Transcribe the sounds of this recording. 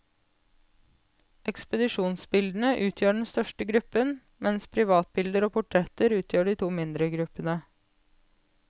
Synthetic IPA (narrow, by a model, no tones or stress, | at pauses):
ʔɛkspəd̪ɪʃuːnsbɪld̪n̩əʔʉːt̪ʰjøːɖɛn̩st̪œʃʈəɡɾʉpən | mɛnspʰɾɪʋɑːt̪̚bɪld̪əɾoːpʰʊʈʰɾɛt̪əɾʉːt̪ʰjøːɖiːt̪ʰuːmɪnd̪ɾəɡɾʉpənə